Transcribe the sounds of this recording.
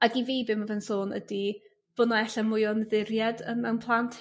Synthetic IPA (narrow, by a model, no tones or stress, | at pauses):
aɡiviːbɪmavɛnsoːnə̰di | b̥ʊnɔɛɬamʊjɔnðɪrjadə̰nmɛwnpʰlˠantʰ